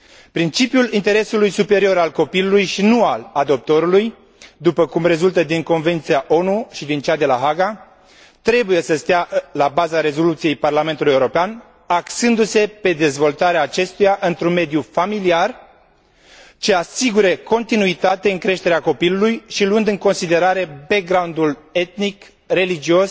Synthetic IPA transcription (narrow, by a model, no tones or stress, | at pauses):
pɾint͡ʃipjulint̪e̞ɾe̞sulujsupe̞ɾio̞ɾalko̞pilulujʃinualad̪o̞p̚t̪o̞ɾuluj | d̪upəkumre̞zult̪əd̪iŋko̞nve̞nt̪sijaʔo̞nuʃid̪int͡ʃad̪e̞laɦaɡa | t̪ɾe̞buje̞səst̪ealabazaɾe̞zo̞lut̪sije̞jparlame̞nt̪uluje̞wuɾo̞pean | aksɨnd̪use̞pe̞d̪e̞zvo̞lt̪aɾeaːt͡ʃe̞st̪ujaʔɨnt̪ɾunme̞d̪ijufamiliar | t͡ʃe̞asiɡuɾeko̞nt̪inuit̪at̪e̞ɨŋkɾe̞ʃt̪eɾeako̞pilulujʃiluɨnd̪ɨŋko̞nsid̪e̞ɾaɾe̞bek̚ɡɾawnd̪ule̞t̪̚nik | re̞lid͡ʒio̞s